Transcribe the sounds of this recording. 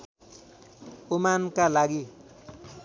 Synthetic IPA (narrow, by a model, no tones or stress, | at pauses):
omankalaɡi